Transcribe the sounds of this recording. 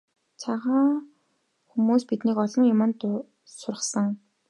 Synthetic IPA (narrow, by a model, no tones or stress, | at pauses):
t͡sʰaʁaː | xumuːspit̪niːkɔɮɞ̆ŋjʊmə̆nt̪ | sʊɾrə̆χsə̆ŋ